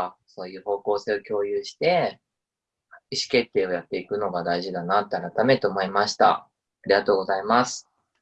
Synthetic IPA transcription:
so̞ːjɯ̟ːho̞ːko̞ːse̞ːo̞kʲo̞ːjɯ̟ːɕi̥t̪e̞ | iɕi̥ke̞t̪ːe̞ːo̞jat̪ːe̞ikɯ̟no̞ɡad̪aiʑid̪anat̪ːe̞aɾat̪ame̞t̪e̞oːmoimaɕi̥t̪a̰ | aɾʲiɡat̪o̞ːɡo̞zaimasɨ̥

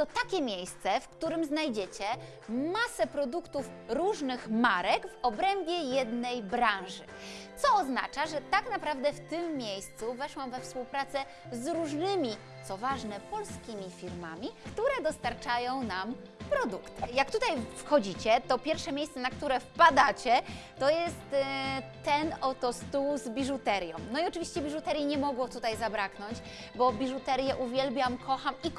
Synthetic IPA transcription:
t̪ɔt̪akʲɛmʲjejst̪sɛfkt̪uɾɘmznajd͡ʑet͡ɕɛ | masɛpɾɔd̪ukt̪uf | ɾuʐnɘxmaɾɛɡvɔbɾɛmbʲjɛjɛd̪nɛjbɾãw̃ʐɘ | t̪sɔːzna̰t͡ʂaʐɛt̪aknapɾavd̪ɛft̪ɘmːʲjejst̪suvɛʂwamvɛfspuwpɾat̪sɛ | zɾuʐnɘmʲi | t̪sɔvaʐnɛpɔlskʲimʲifʲiɾmamʲikt̪uɾɛd̪ɔst̪aɾt͡ʂajɔ̃w̃nam | pɾɔd̪ukt̪jak̚t̪ut̪ajfxɔd͡ʑit͡ɕɛt̪ɔpʲjɛɾfʂɛmʲjejssɛnak̚t̪uɾɛfpad̪at͡ɕɛt̪ɔjɛst̪ː | ɛnɔt̪ɔst̪uwzbʲiʐut̪ɛɾjɔ̃w̃nɔiɔt͡ʂɘvʲiɕt͡ɕɛbʲiʐut̪ɛɾʲjiɲɛmɔɡwɔt̪ut̪ajzabɾaknɔɲt͡ɕ | bɔbʲiʐut̪ɛɾjɛʔuvʲjɛlbʲjamkʰɔxamik

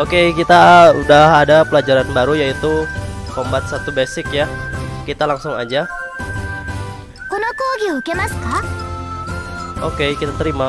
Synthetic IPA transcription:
okekit̪audaɦadapəlad͡ʒaɾanbaɾujait̪ukombat̪̚sat̪ubesɪkjakit̪alaŋsʊŋad͡ʒa | kɔnakuɡiukemaska | ʔokekit̪at̪əɾima

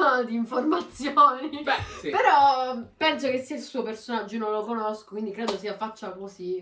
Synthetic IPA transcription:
d̪iːɱformat̪sjoːnibɛipeɾɔpɛnsokesːiailsuːopersonad͡ʒːonõnlokonoskokwind̪ikɾeːd̪osiafat͡ʃːakosi

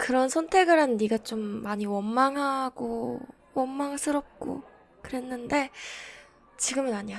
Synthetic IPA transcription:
kɯɾʌnsʰʌntʰe̞ɡɯɾanːiɡat͡ɕomːaɲiwʌnmaŋɦaɡo | wʌnmaŋsʰɯɾʌp̚k͈o̰ | kɯɾe̞nːɯnde̞ | t͡ɕiɡɯmɯnaɲia

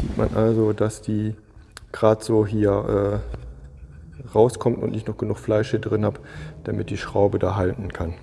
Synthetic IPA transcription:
z̥ḭːtmʔa̰nʔalzodasd̥iː | ɡ̥ʁaːtz̥oːɦiːɐʔɛː | ʁaʊskʰɔmtʊ̰ntnɪçtnɔχɡ̥ənuːχflaɪʃədʁɪnhaːpd̥amɪt̚d̥iːʃʁ̥aʊbədaːɦaltn̩kʰan

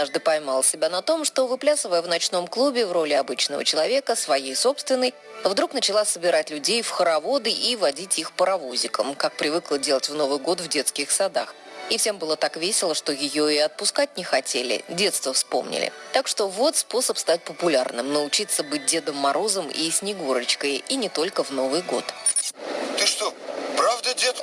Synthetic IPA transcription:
d̪naʐd̪ɨpɐjmalˠəsʲɪbʲanɐt̪o̞mʂt̪o̞vɨplʲasəvəjəvnɐt͡ɕno̞mklˠubʲɪvro̞lʲɪɐbɨt͡ɕnəvə̰t͡ɕɪlˠɐvʲe̞kəsvɐjejso̞pst̪vʲɪnːəj | vd̪ɾuknət͡ɕɪlˠasəbʲɪɾatʲlʲʉdʲejfxəɾɐvo̞d̪ɨʔivɐdʲitʲixpəɾɐvozʲɪkəmkak̚pɾʲɪvɨklˠədʲe̞lˠətʲvno̞vɨjɡo̞t̪vdʲe̞t̪skʲɪxsɐd̪a̰x | ifsʲe̞mbɨlˠət̪akvʲesʲɪlˠəʂt̪o̞jɪjo̞ɪɐt̪̚pʊskatʲnʲɪxɐtʲelʲɪ̰dʲe̞t̪st̪vəfspo̞̰mnʲɪ̰lʲɪ̰t̪akʂt̪o̞vo̞t̪spo̞səpst̪at̚ʲpəpʊlʲarnɨmnəʊt͡ɕit̪səbɨt̚ʲdʲe̞d̪əmːɐɾʔo̞zəmḭsʲnʲɪɡoɾət͡ɕkəjinʲɪt̪o̞lʲkəvno̞vɨjɡo̞t̪ | t̪ɨʂt̪opɾavd̪ədʲet̪

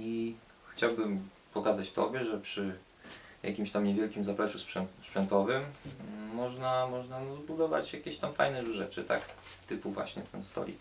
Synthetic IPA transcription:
i | xt͡ɕawbɘm | pɔkazat͡ɕt̪ɔ̰bʲjɛʐɛpʂɘ | jʔa̰kʲimɕt̪amɲɛvʲjɛlkʲimzapɾɛʂuspʂɛnt̪spʂɛnt̪ɔvɘmː | ɔʐnamɔʐnanɔzbud̪ɔva̰t͡ɕjakʲeɕt̪amfajnɛʐuʐɛt͡ʂɘt̪a̰kt̪ɘpuvwa̰ɕɲɛt̪ɛ̰nst̪ɔ̰lʲḭ

